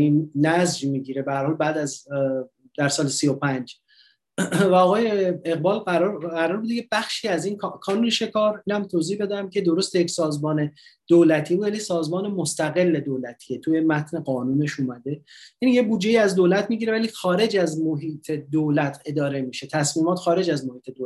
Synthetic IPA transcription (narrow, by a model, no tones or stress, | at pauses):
innæzd͡ʒmiːɟiːɾe̞behæɾhɒːlbæːd̪æz | d̪̥æɾsɒːlesio̞pʰænd͡ʒ | væɒːɣɒːjeeɣbɒːlæɾɣæɾɒːɾbud̪ecʰebæxʃiːæziːnkʰkʰɒːnuːneʃe̞kʰɒːɾiːnæmt̪ʰoziːhbe̞d̪æmcʰe̞d̪o̞ɾost̪ejecsɒːzmɒːne̞d̪̥oːlæt̪ʰiːbuːd̪jælisɒːzmɒːnemost̪æɣe̞lːe̞d̪oːlæt̪ʰiet̪ʰujemæt̪ʰne̞ɡɒːnuːne̞ʃuːmæd̪e̞jænijebuːd͡ʒːe̞iːæzd̪olæt̪miɟiɾe̞væliːxɒːɾe̞d͡ʒæzmoɦiːt̪ʰe̞d̪olæt̪ʰe̞d̪ɒːɾe̞miːʃe̞t̪ʰæsmiːmɒːt̪xɒːɾe̞d͡ʒæzmo̞hiːt̪ʰe̞d̪o